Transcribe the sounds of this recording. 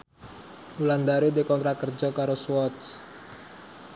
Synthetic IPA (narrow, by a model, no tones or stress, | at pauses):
uland̪aɾed̪ekɔnt̪ɾakərd͡ʒɔkaɾoswɔt̪s